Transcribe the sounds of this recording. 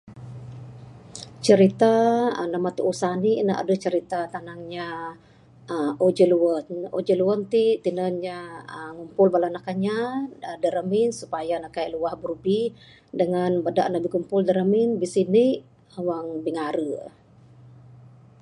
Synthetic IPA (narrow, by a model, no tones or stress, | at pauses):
t͡ʃəɾit̪anamat̪uʔusaninaʔa̰dəht͡ʃəɾit̪at̪anaŋɲa | od͡ʒəluwəno̰d͡ʒəluwənt̪it̪inənɲaəŋumpʊlbalanakaɲadəɾəminsupajanakajʔluwahburubi | dəŋanbada̰ʔnabikumpʊldəɾəminbisiniʔ | waŋbiŋaɾə